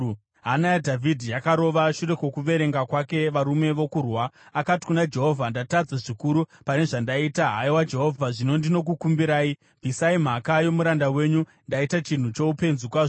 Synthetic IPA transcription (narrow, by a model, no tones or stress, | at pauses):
ɦanajadʱavʱidʱijakaɾo̞ʋaʃuɾe̞kwokuʋe̞ɾe̞ŋɡakwake̞ʋaɾume̞ʋo̞kurwaːkati̥kunad͡ʒe̞ɦo̞vʱandatad͡zaʐikuɾupane̞ʐandaitaɦaiwad͡ʒe̞ɦo̞vʱaʐino̞ndino̞k̬ukumbiɾaːi | bʱisaim̤akajo̞muɾandawe̞ːɲu | ndaitat͡ʃin̤ut͡ʃo̞upe̞nzukwaʐo